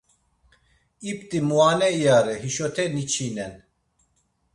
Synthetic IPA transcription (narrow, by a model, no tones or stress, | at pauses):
ipt̪imuaːnɛijaːɾɛɦiʃot̪ʰɛnit͡ʃʰiːnɛn